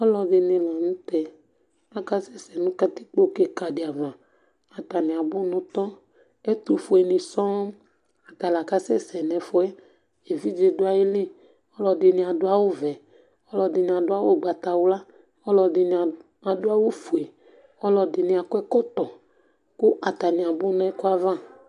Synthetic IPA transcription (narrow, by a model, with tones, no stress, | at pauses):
ɔ˦lɔ˨dɪ˨nɪ̃˨la˨nũ˦t̪ɛ˨ | la˨ka˦sɛ˦sɛ˨nũ˦ka˦t̪i˦k͡po˦ke˦ka˨dɪ˨a˨vã˨ | a˨t̪a˨nĩ˨a˨bʊ˦nũ˦t̪ɔ˦ | e˦t̪u˨fo˨e˨nĩ˨sɔ̃˦ | a˨t̪a˨la˨ka˦sɛ˦sɛ˨nɛ̃˨fɔ˦ɛ˦ | e˨vi˦d͡ʒe˨dʊ˦a˨je˦li˦ | ɔ˦lɔ˨dɪ˨nĩ˨a˨dʊ˦a˦wo˦vɛ˨ | ɔ˦lɔ˨dɪ˨nĩ˨a˨dʊ˦a˦wo˦˨ɡ͡ba˨t̪a˨wo˦la˦ | ɔ˦lɔ˨dɪ˨n˨ | a˨dʊ˦a˦wo˦fu˨e˨ | ɔ˦lɔ˨dɪ˨nĩ˨a˨kʊ˦ɛ˦kɔ˦t̪ɔ˨ | ku˦ʔa˨t̪a˨nĩ˨a˨bʊ˦n˦ɛ˦ko˦a˦vã˦